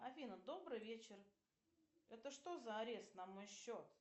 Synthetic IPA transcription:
ɐfʲinəd̪o̞bɾɨjvʲet͡ɕɪr | ɛt̪əʂt̪o̞zəɐɾʲe̞st̪nɐmo̞jɕːo̞t̪

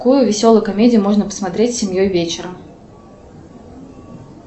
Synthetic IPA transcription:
kujʊvʲɪsʲolˠəjʊkɐmʲedʲɪjʊmoʐnəpə̥smɐt̪ɾʲetʲsʲɪmʲjojvʲet͡ɕɪɾə

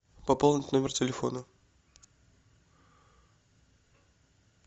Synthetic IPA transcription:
pɐpolˠnʲɪt̪ʲnomʲɪrtʲɪlʲɪfo̞̰nə

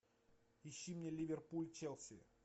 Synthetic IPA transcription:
ɪɕːimnʲelʲivʲerpulʲt͡ɕɛlˠsʲɪ̰

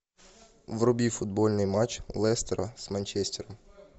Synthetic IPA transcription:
ʋrʊbʲifʊd̪̚bɔlʲnɪjmat͡ʃlˠɛst̪eɾɐ̰z̥mɐnʲt͡ʃɛsʲt̪ʲɛɾɐm

